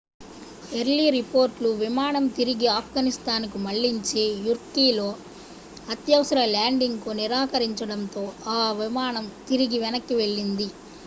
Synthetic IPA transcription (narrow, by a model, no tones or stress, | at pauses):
eɾɭiɾipo̞ːɾʈluʋimaːnɐmt̪iɾiɡiaːp̚ʰɡaːnist̪aːnkumɐɭːiɲt͡ʃeːjuɾkiːlo̞ː | ɐt̪jɐʋɐsɐɾɐlaːɳɖiŋɡkuniɾaːkɐɾiɲt͡ʃɐɽɐnt̪o̞ːaːʋimaːɳɐmt̪iɾiɡiʋɛnɐkːiʋe̞ɭːind̪i